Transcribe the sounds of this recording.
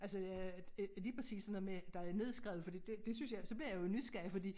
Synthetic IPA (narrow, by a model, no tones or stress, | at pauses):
ʔælsəæliːpʰʁɐsḭːsːnmed̥ɑ̈æne̝ð̞ˠsɡ̥ʁɛ̰ːʊð̩ˠfɒ̽d̥ḭːd̥e̝d̥e̝synsjɑ̈ɪsɒ̽b̥liɐ̰jɑ̈joeny̥sɡ̥æfɒd̥ḭː